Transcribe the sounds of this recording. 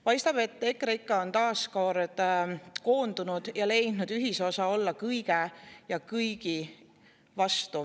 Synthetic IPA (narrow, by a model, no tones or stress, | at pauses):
pɑjst̪ɑb̥e̞t̪ːe̞kːˑɾeikːɑo̞nt̪ɑːsko̞ɾd̪̥ko̞ːnd̪̥unud̪̥jɑle̞jnnud̪̥yɦiso̞sɑo̞lːɑkɯjɡ̥ejɑkɯjɡ̥i | vɑst̪u